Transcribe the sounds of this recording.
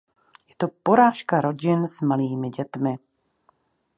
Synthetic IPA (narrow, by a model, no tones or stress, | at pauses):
jɛt̪o̞po̞ɾaːʃkaɾo̞ɟɪnsmaliːmɪɟɛt̪mɪ